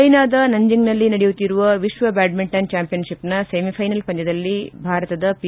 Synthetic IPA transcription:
ɐjnaːd̪ɐnɐɲd͡ʒiŋɡnɐlːinɐɽejut̪ːiɾuʋɐʋiʃʋɐbaːɖ̚miɳʈɐnt͡ʃaːmpijɐnʃipnɐsemipʰɐjnɐlpɐɲt͡ʃɐd̪ɐlːibʱaːɾɐt̪ɐd̪ɐpi

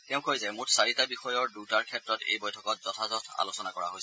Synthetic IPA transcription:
tɛʊ̃kʰojzajmutsaɹitabixɔjɔɹdutaɹkʰɛtɹɔtḛjbɔjtʰɔkɔt̚z̥ɔtʰazɔtʰa̰losɔnakɔɹa̰ɦojs

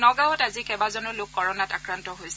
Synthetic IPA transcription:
nɔɡaɔtazikɛbazɔnɔlʊkːɔɹɔnata̰kɹantɔɦojsɛ

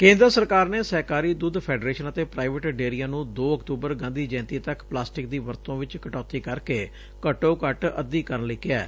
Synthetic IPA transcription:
kẽːnd̪ɾəsəɾkaːɾneːsɛːkaːɾiːd̪ʊd̪pʰɛːɖɾeːʃənət̪eːpɾaːɪʋəʈɖeːɾijaːnũːd̪oːəkt̪uːbəɾɡãːnd̪iːd͡ʒɛ̃ːnt̪iːt̪əkplaːsʈɪk̚d̪iːʋəɾt̪õːʋɪt͡ʃkəʈɔːt̪iːkəɾkeː | kəʈoːkəʈə̰d̪iːkəɾnliːkɪɛː

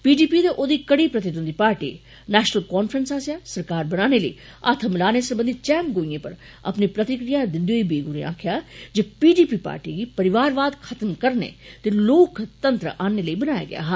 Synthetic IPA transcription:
piːɖiːpiːd̪eʔoːd̪iːkɐɽiːpɾət̪ɪd̪ənd̪iːpaːɾʈḭː | nɛːʃnəlkɔːnfʰɾənsaːsjaːsəɾkaːɾbənaːneləḭː | a̰ːt̪ʰəmɪlaːnesəɾbə̃nd̪iːt͡ʃɛːmɡoːiẽːpəɾ | ə̰pnipɾɐt̪ɪkɾijaːd̪ɪ̃nd̪ijoːibeːɡuɾḛa̰ːkʰɪjaːd͡ʒepiːɖiːpiːpa̰ːɾʈḭɡiːpəɾɪʋaːɾʋaːd̪kʰət̪əmkəɾnḛːt̪eloːkt̪ənt̪ɾə̰ʔaːneləiːbənaːja̰ːɡɪ̰ja̰ːɦ

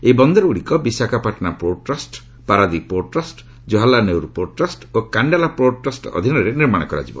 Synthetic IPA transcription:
ejbɔnd̪ɔɾuɽikɔbisakapaʈɔnapɾoʈɾasʈ | paɾad̪ipoʈɾasʈ | d͡ʒɔɦalanewɾpoʈɾasʈokaɳɖalapɾoʈɾasʈɔ̰d̪ʱinɔɾeniɾmaɽ̃ɔkɔɾa̰d͡ʒibɔ̰

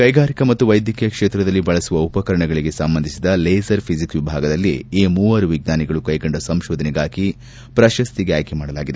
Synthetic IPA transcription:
kɐjɡaːɾikɐmɐt̪ːuʋɐjd̪jɐkʰijɐkʂeːt̪ɾɐd̪ɐlːibɐɭɐsuʋɐupɐkɐɾɐɳɐɡɐɭiɡe̞sɐmbɐnd̪isid̪ɐleːsɐɾpʰizikʋibʱaːɡɐd̪ɐlːieːmuːʋɐɾuʋiɡ̚naːniɡɐɭukɐjɡɐɳɖɐsɐmʃoːd̪ʱɐnɛɡaːki | pɾɐʃɐst̪iɡeaːjkemaːɽɐlaːɡid̪e

